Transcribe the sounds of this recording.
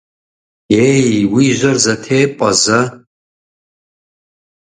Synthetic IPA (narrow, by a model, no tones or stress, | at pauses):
jejwiʒʷɐrzatʰeːpʼaza